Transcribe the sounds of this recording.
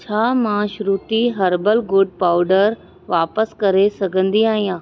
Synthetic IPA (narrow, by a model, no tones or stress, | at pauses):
t͡ɕʰaːmãʃɾuːt̪iɦɐɾbəlɡʊɖ̚paːʊɖəɾ | ʋaːpəskɐɾesɐɡʱə̃nd̪iaːɦĩjãː